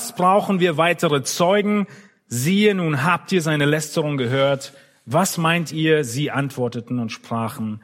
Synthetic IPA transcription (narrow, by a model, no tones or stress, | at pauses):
sb̥ʁaʊxn̩viːɐvaɪtəʁət͡sɔʏɡŋ̩ | ziːənuːnɦaːp̚tiːɐzaɪnəlɛstəʁʊŋɡəɦøːɐt | vasmaɪntiːɐziːʔantv̥ɔɐtətn̩ʊntʃpʁ̥aːχn̩